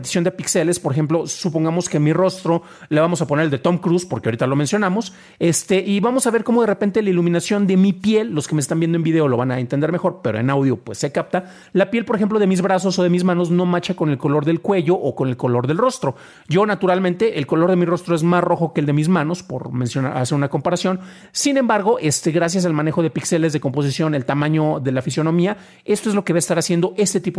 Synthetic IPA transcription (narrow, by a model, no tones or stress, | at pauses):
t̪i̥sjond̪epikse̞le̞spo̞ɾexe̞mplo̞supo̞ŋɡamo̞skemiro̞st̪ɾo̞ | leβamo̞sapo̞neɾeld̪et̪o̞mkɾuspo̞ɾkeaoɾit̪alo̞mensjonamo̞s | e̞st̪e̞ʔiβamo̞saβe̞ɾko̞mo̞ð̞e̞repe̞nt̪elailumĩnasjo̞nd̪e̞mipje̞lːo̞skemest̪anmbje̞nd̪oe̞mbiðe̞olo̞βanaent̪end̪eɾme̞xo̞ɾpe̞ɾo̞ḛnawðjo̞pwe̞sːe̞kap̚t̪a | lapje̞lpo̞ɾexe̞mplo̞ð̞e̞mizβɾas̬o̞so̞ð̞emizmãnozno̞mat͡ʃako̞ne̞lko̞lo̞ɾðe̞lkwe̞ʝo̞ʔːko̞ne̞lko̞lo̞ɾðelro̞st̪ɾo̞ | ɟ͡ʝo̞nat̪uɾalmẽnt̪e̞ʔelko̞lo̞ɾð̞e̞miro̞st̪ɾo̞e̞zmasro̞xo̞keːld̪emizmãno̞spo̞̰ɾmẽ̞nsjo̞na̰a̰se̞ɾunako̞mpaɾasjo̞n | sine̞mbaɾɣo̞ʔe̞st̪eɣɾas̬jas̬almãne̞xo̞ð̞e̞pikse̞le̞zðe̞ko̞mpo̞s̬isjo̞ne̞lt̪amãɲo̞ðe̞lafisjo̞nõ̞mia | e̞st̪oezlo̞keβeest̪aɾasje̞nd̪o̞ʔe̞st̪e̞t̪ipo